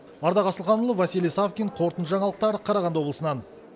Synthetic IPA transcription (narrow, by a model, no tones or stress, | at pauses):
ɑɾd̪ɑʁɑsəlˠqɑnulˠəvɑsilʲijsavkʲiɴqʰo̞ɾt̪ənt̪ʒɑɴɑlˠəq̚t̪ɑɾəqʰɑɾɑʁɑnd̪wo̞bləsənɑn